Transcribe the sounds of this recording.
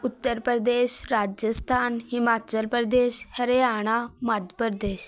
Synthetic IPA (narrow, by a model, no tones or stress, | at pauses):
ut̪ːəɾpɾɾəd̪eːɕɾaːd͡ʒjəst̪ʰaːnhimaːt͡ɕəlpɾəd̪eːɕhəɾeaːɽ̃amad̪ʱjəpəɾd̪eːɕ